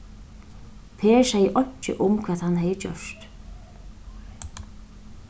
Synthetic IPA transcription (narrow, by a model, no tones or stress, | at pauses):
p̪ʰɛːsajɪʔɔɲt͡ɕːɪ̰ʔʊmkʰvaːðhanːhɛːjɪt͡ɕœ̰st̪